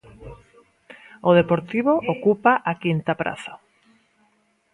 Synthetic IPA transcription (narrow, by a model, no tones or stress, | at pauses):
oðepoɾt̪iβoʔokupaʔakint̪apɾa̰θa